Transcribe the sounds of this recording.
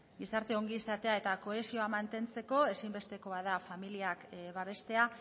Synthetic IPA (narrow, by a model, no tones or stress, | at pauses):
ɡisaɾt̪e̞oŋɡisat̪e̞ae̞t̪ako̞e̞sio̞amant̪e̞nt͡se̞ko̞e̞simbe̞st̪e̞ko̞að̞afamiliakβaβ̞e̞st̪e̞a